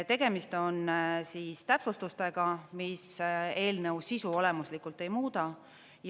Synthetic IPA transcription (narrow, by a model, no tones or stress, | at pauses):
t̪e̞ɡ̥e̞mist̪o̞nsiːst̪æpsust̪ust̪e̞ɡ̥ɑmise̞ːlne̞wsisuo̞le̞muslikult̪ːe̞jmuːd̪̥ɑ | j